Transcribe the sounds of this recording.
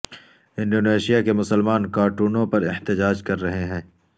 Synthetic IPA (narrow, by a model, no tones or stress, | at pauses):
ɪ̃nɖoːneːʃijakemʊsəlmaːnkaːɾʈuːnõpɐɾɪht̪ɪd͡ʒaːd͡ʒkɐɾːɐɦeɦɛ̃ː